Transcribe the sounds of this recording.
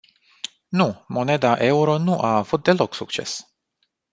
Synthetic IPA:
numo̞ne̞d̪aʔe̞uɾo̞nuʔaːvut̪̚d̪e̞lo̞ksuk̚t͡ʃe̞̰s

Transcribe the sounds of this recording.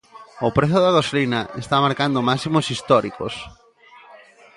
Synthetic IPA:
ʊpɾeθjoðaɣoslinaʔḛst̪amaɾkand̪omasimosist̪ɔɾiko̰s

